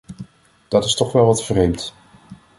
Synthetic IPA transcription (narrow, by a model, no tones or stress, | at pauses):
d̥ɑtɪstɔχʋɛlˠʋɑtfrejmt